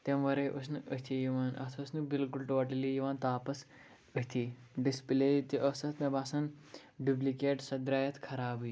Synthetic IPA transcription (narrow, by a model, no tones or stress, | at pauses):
t̪ɐmʋɐɾeʔəsnɨʔəɦt̪ʰijiʋaːnɐ̰t̪ʰɐsnɨbilkulʈoʈilijiʋãːnt̪aːpɐs | əɦt̪ʰiː | ɖispilet̪iʔɐsɐt̪nɐbaːsɐn | ɖuplikeːʈsɐd̪ɾaːjɐt̪ʰkʰɐɾaːbɨ